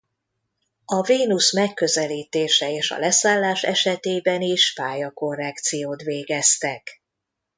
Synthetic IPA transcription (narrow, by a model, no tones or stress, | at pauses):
ɒviːnusmɛkːøzɛliːt̪eːʃɛeːʃɒ̰lɛsaːlːaːʃɛ̰ʃɛt̪eːbɛniʃpaːjɒko̞rɛkt̪sijoːt̪ʋeːɡɛst̪ɛk